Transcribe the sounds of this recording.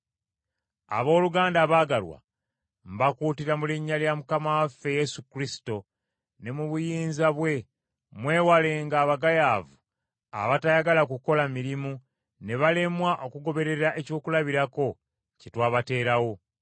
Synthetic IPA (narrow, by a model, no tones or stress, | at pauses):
a̰βo̞ːluɡaːndaːβaːɡalwa̰ | m̩bakuːtiɾamuliɲːaljamukamawafːe̞je̞sukɾisi̥to̞ | ne̞muβujiːnzaβwe̞ | mwe̞ːwale̞ːŋɡaːβaɡajaːvu | a̰βatajaɡalakuko̞lamiɾimu | ne̞βale̞mwaʔo̞kuɡo̞βe̞ɾe̞ɾaʔe̞co̞ːkulaβiɾako̞ | citwaːβate̞ːɾawo̞